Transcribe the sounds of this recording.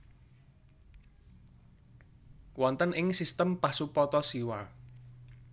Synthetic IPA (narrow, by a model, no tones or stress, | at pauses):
wɔnt̪ənɪŋsist̪əmpasupɔt̪ɔsiwa